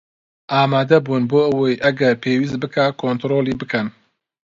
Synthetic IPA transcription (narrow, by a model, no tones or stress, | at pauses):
ʔaːmaːd̪ɐbuːnboːʔəwɐjʔɐɡɐɾpʰeːwiːs̬t̪̚bɨkaːkʰoːnt̪ɾoːliːbɨkʰɐn